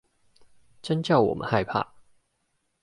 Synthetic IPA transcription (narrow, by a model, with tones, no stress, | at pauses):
ʈ͡ʂə˦nt͡ɕjɑ˥˨ʊwɔ̰˨˩mə̰˦nha˥˧ɪpʰa̰˥˨